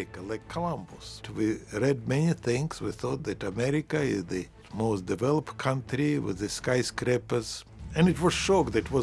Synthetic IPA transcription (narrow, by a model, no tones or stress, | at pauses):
ɪkəlaɪkʰːəlãmbʊswiɹɛd̚mɛniθɪ̃ŋswiθɔt̪̚ðɨtəmɛɹɪkɨɪzðɨ | moʊsd̥ɨvɛlˠəpt̚kʰʌ̃ntɹiwɪ̰ðɨskaɪskɾɛpə˞z | ɨ̃nɨtwʌz̥ʃɔkðɨt̚ʰwʌ